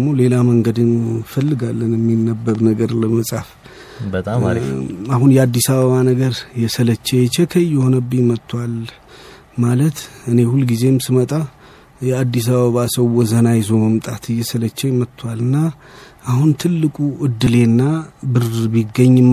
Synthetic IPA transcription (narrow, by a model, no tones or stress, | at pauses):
mo̞le̞laməŋɡəd̪ɨnfəlːɨɡalːənjɛmːinːəbːəɾnəɡəɾləməsʼaf | ə | aɦunjɛad̪ːisaβəβanəɡəɾjɛsələt͡ʃːɛjɛt͡ʃːɛkʰəjːɛho̞nəbːɨmət̪ʰːwal | malət̪ɨne̞hulɡize̞msɨmət̪ʼa | jɛad̪ːis̬aβəβasəwɔzənajzoməmt̪ʼat̪ɨjːɛsələt͡ʃːɛmət̪ʰːwalɨnːaː | hunt̪ʰɨlːɨkʼuʔɨd̪ːɨle̞nːabɨɾbiɡːəɲːɨm